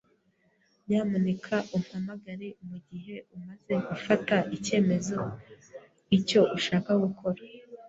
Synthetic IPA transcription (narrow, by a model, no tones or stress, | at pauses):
ɲaːmunekʰaʔum̥hamaɡaɾemuɟiɦe̞umaze̞ɡufataʔice̞ːmezo̞ | ico̞ʔuʃaːkaɡukʰo̞ɾa